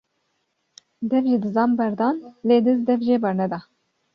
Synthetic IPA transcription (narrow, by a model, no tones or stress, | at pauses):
d̪ɛvʒid̪ɨzɑːmbɛɾd̪ɑːnleːd̪ɨzd̪ɛvʒeːbɛɾnɛd̪ɑː